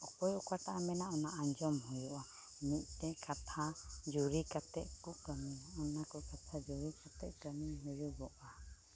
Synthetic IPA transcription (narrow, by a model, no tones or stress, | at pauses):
ɔkɔjɔkaʈaʔamɛnaɔnaʔaɲd͡ʒɔmɦujuʔa | miʔ̪̚ˀt̪ɛkat̪ʰad͡ʒuɾikat̪ɛʔ̚kukəmiɔnakɔkat̪ʰad͡ʒuɾikat̪ɛʔ̚kəmiɲɦujuɡɔʔa